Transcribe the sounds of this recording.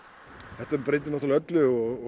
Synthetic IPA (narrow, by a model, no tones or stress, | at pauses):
θɛht̪apɾejt̪̬ɪnɔht̪alœt̪lʏɔɣɔ